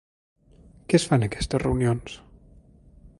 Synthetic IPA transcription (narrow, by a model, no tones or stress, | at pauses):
kɛsfanəkɛst̪əzrewnions